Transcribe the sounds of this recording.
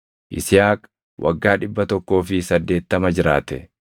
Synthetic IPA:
ʔɪ̰sɪjaːk | wʔɐ̰ɡːaːᶑɪbːɐt̪ɔkːo̞ːfɪsɐd̪ːe̞ːt̪ːɐmɐd͡ʒɪɾaːt̪ɛ

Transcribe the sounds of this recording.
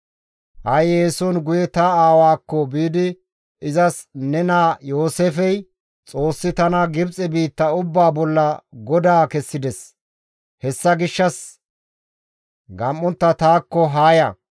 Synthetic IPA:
hɐjeːsɔnɡʊjɛt̪ɐaːwaːkːɔbiːd̪ɪ | ɪzɐsnɛnaːjo̞ːseːfɛj | t͡sʼo̞ːsːɪt̪ɐnɐɡɪbt͡sʼɛbiːt̪ːɐʊbːaːbɔlːɐɡɔd̪aːkɛsːɪd̪ɛs | hɛsːɐɡɪʃːɐs | ɡɐmːɔnt̪ːɐt̪aːkːɔɦaːjɐ

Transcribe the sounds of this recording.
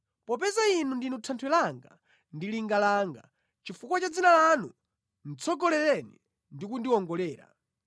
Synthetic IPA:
pɔpɛzainundinutʰantʰwɛlaŋɡa̰ | ndiliŋɡalaːŋɡa̰ | t͡ʃifukwat͡ʃad͡zinalanu | n̩t͡sʰɔɡɔlɛɾɛnḭ | ndikundiɔŋɡɔlɛːɾa̰

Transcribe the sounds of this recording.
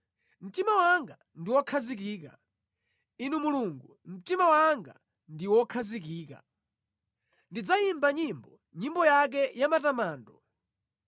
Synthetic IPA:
m̩timawaŋɡa | ndiwɔkʰazikiːka̰ | inumuluŋɡum̩timawaŋɡa̰ | ndiwɔkʰazikiːka̰ | ndid͡zajimbaɲimbɔ | ɲimbɔjak̬ɛjamatamaːndɔ

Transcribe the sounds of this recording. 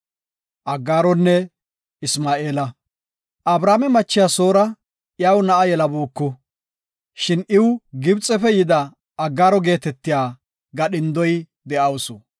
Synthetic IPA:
ʔɐɡːaːɾɔnːɛ | ɪsmaːʔe̞ːlɐ | ʔɐbɾaːmɛmɐt͡ʃːɪjaso̞ːɾɐ | jawnɐʔɐjɛlɐbuːkːʊ | ʃɪnɪwɡɪbt͡sʼɛfɛjɪd̪ɐː | ɡːaːɾɔɡe̞ːt̪ɛt̪ːɪjaː | ɡɐɗɪnd̪ɔj | d̪ɛʔɐwsʊ

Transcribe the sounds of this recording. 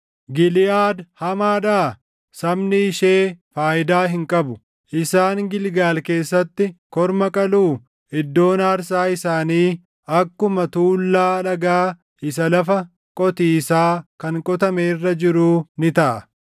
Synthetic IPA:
ɡɪlɪjaːd̪hɐmaːd̪a | sɐmnɪːʃeːfaːjɪd̪aːɦɪŋkʼɐbʊ | ʔɪsaːŋɡɪlɡaːlke̞ːsːɐt̪ːɪkɔɾmɐkʼɐluː | ɪd̪ːo̞ːnaːɾs̬aːɪsaːniː | ɐkːʊmɐt̪uːlːaːlɐɡaː | ʔɪs̬ɐlɐfɐ | kʼɔt̪iːsaːkɐŋkʼɔt̪ɐmeːrːɐd͡ʒɪɾuːnɪt̪ɐʔɐ

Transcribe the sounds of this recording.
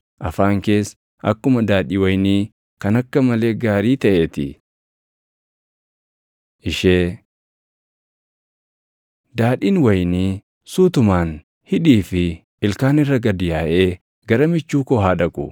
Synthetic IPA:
ʔɐfaːŋke̞ːs | ʔɐ̰kːʊmɐd̪aːᶑiːwɐjniː | kɐnɐkːɐmɐle̞ːɡaːɾiːt̪ɐʔet̪ɪ̰ | ʔɪʃeː | d̪aːᶑiːnwɐjniː | suːt̪ʊmaːn | hɪᶑiːfɪ | ɪlkaːnɪrːɐɡɐd̪ɪjaːʔe̞ː | ɡɐɾɐmɪt͡ʃːuːkɔɦaːᶑɐkʼʊ̰

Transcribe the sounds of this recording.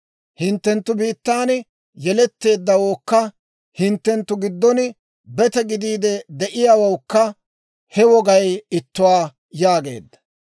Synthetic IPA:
hɪnt̪ːɛnt̪ːʊbiːt̪ːaːn | jɛlɛt̪ːe̞ːd̪ːɐwoːkːɐ | hɪnt̪ːɛnt̪ːʊɡɪd̪ːɔnɪ | bɛt̪ɛɡɪd̪iːd̪ɛd̪ɛʔɪjaːwowkːɐ | hɛwɔɡɐjɪt̪ːʊwaː | jaːɡe̞̰ːd̪ːɐ̥

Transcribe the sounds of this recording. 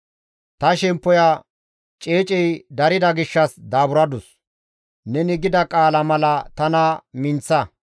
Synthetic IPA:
t̪ɐʃɛmpːɔja | t͡ʃʼeːt͡ʃʼɛjd̪ɐɾɪd̪ɐɡɪʃːɐsd̪aːbʊɾɐd̪ʊs | nɛnɪɡɪd̪ɐkʼaːlɐmɐlɐt̪ɐnɐmɪnt͡sːɐ

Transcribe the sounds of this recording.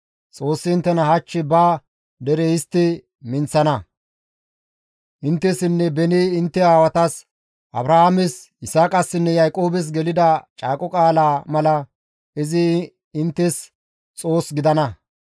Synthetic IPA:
t͡sʼo̞ːsːɪɪnt̪ːɛnɐhɐt͡ʃːɪbaː | d̪ɛɾɛjɪst̪ːɪ | mɪnt͡sːɐnɐ | ʔɪnt̪ːɛsɪnːɛbɛniɪnt̪ːɛaːwɐt̪ɐs | ʔɐbɾɐhaːmɛs | ɪsaːkʼɐsːɪnːɛjɐjkʼo̞ːbɛs̬ɡɛlɪd̪ɐt͡ʃʼaːkʼɔkʼaːlaːmɐlɐ | ɪzɪ | ɪnt̪ːɛs | t͡sʼo̞ːsɡɪd̪ɐnɐ

